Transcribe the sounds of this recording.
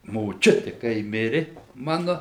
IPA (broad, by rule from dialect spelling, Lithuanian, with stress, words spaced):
moːˈt͡ʃʲʊtʲɪ kɐɪ ˈmʲɪrʲɪ ˈmɑːnʊ